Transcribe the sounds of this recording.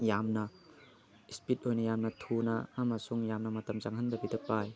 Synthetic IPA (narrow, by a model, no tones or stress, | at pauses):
jamnɐ | ispit̚ojnɐjamnɐtʰunɐːmɐsuŋjamnɐmɐtɐmzaŋɦɐnbɐbidɐpaj